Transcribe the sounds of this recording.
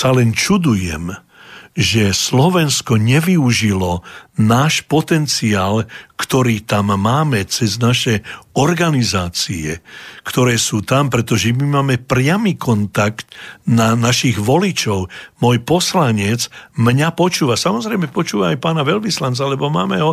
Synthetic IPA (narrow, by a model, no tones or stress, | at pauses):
salɛnt͡ʃud̪ujɛ̰m | ʒɛslɔʋɛnskɔɲɛʋiuʒilɔnaːʃpɔt̪ɛnt͡siaːlkt̪ɔɾiːt̪amːaːmɛt͡sɛznaʃɛɔɾɡanizaːt͡siɛ̰kt̪ɔɾɛːsuːt̪ampɾɛt̪ɔʒɛmimaːmɛpɾɪamiːkʰɔnt̪akt̪nanaʃiɣʋɔlit͡ʃɔʊmɔjpɔslaɲɛt͡smɲapɔt͡ʃuːʋasamɔzɾɛjmɛpɔt͡ʃuːʋaːjpaːnaʋɛlʋislant͡salɛbɔma̰ːmɛɦɔ